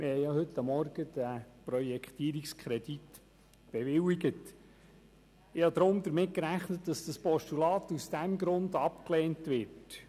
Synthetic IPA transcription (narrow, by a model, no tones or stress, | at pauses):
mɪhɛjjɑhɵt̪ːɑmːɔɾɡ̥əd̥æpɾɔjɛkχt̪iːɾikskʰχɾɛd̥it | b̥ɛʋɪliɡət | ɪhɑd̪ɾʊmd̪əɾmɪt̚kɾæχnətdɑsd̥ɑspɔʃtulɑːt̪usd̥æmɡɾʊnd̪ɑpklɛːntʋɪrt